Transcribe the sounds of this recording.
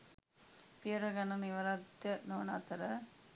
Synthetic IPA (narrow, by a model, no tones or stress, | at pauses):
pijɐɾɐɡɐnɐniʋɐɾɐd̪jɐnoːna̰t̪ɐɾɐ